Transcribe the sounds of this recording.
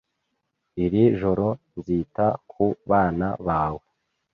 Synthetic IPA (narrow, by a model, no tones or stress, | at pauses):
iɾiʒoɾo̞ | nziːtakʰuβaːnaβaːwe